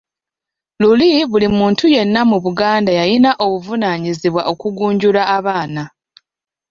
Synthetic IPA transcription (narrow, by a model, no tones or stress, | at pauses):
luliβulimuːntʰuje̞nːamuβuɡaːndajajinaʔo̞βuvunaːɲiziβwa̰ʔo̞kuɡuːɲɟulaːβaːna